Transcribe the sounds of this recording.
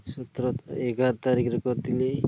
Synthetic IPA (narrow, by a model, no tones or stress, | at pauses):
sɔt̪ɾɔeɡat̪aɾikɾɔkɔt̪ile